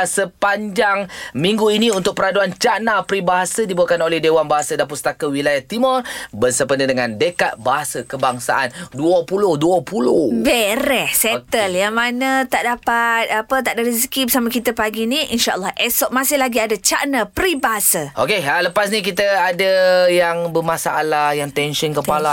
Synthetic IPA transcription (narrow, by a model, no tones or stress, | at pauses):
səpaɲd͡ʒaŋmĩŋɡuiniunt̪ʊk̚pəɾaduant͡ʃaʔnapɾibaɦasədibuakanolɛhdewanbaɦasədap̬ust̪akəwilajaht̪imɔrbənsəpəndədəŋãndəkat̪̚baɦasəkəbaŋsa̰ʔanduəpulʊhduəpulʊhbeɾɛhsɛt̪əljaŋmanə̃t̪aʔdapat̪̚apət̪aʔdaɾizikibəsamakit̪əpaɡinĩinʃaʔə̰lːɔhʔɛsɔʔ̚mãsɪhlaɡiadat͡ʃaʔnapɾibaɦasəʔokealəpasnĩk̬it̪əadəjaŋbəmasaʔalajaŋt̪ɛnʃənkəpala